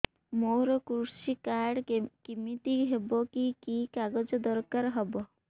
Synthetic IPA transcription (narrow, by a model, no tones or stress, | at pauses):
moɾɔkɾusikaɾɖkimit̪iɦebɔkikikaɡɔd͡ʒɔd̪ɔɾkaɾɦɔbɔ